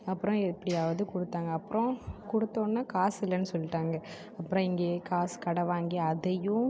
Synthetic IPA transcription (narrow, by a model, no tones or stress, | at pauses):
ɐpːɯɾɔ̃ɛpːɐɽɪjaːʋɐðɯkʊɽɯt̪ːaːŋɡɐɐpːɯɾɔ̃kʊɽɯt̪ːõːnːaːkaːsɪlːɐnːɯsɔlːɪʈːaːŋɡɐ | ɐpːɯɾɔ̃ɪŋɡeːkaːskɐɽɐʋaːŋɡiɐðɐjʊ̃